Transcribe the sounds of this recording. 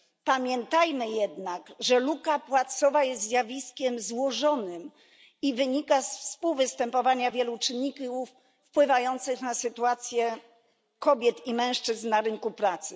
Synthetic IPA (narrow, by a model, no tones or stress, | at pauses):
pamʲjɛnt̪ajmɘjɛd̪nakʐɛlukapwat̪sɔvajɛst̪ːzʲjavʲiskʲɛmzwɔʐɔnɘm | ivɘɲikasfspuwvɘst̪ɛmpɔvaɲavʲjɛlut͡ʂɘnːikufː | pwɘvajɔnt̪sɘxnasɘt̪uat̪sʲjɛ | kɔbʲjɛt̪imɛ̃w̃ʂt͡ʂɘznnːaɾɘŋkupɾat̪sɘ